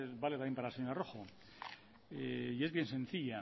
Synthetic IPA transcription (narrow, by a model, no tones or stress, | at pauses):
baleaempaɾalsɲoɾaroxo | eie̞zβje̞nsẽ̞nθiʎa